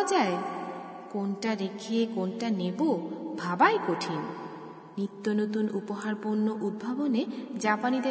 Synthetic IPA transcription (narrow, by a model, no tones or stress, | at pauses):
d͡ʑae | konʈaɾekʰiekonʈanebobʱabajkoʈʰin | nit̪ːonot̪unupoɦaɾpoɾnːoʔud̪̚bʱaboned͡ʑapanid̪e